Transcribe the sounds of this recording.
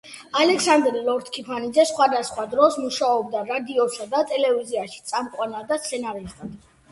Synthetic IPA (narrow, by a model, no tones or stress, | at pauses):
alɛksand̪ɾilˠɔɾt̪ʰkʰipʰanid̪zɛsχwad̪asχwad̪ɾɔsmuʃaɔb̚d̪aɾad̪iɔsad̪at̪ʼɛlɛviziaʃi̥t̪sʼamkʼwanad̪ast̪sʰɛnaɾisd̪ad̪